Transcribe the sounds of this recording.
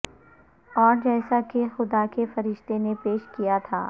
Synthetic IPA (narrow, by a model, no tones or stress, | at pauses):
ɔːɾd͡ʒɛːsakexʊd̪akefɐɾɪʃt̪enepeːʃkijat̪ʰa̰ː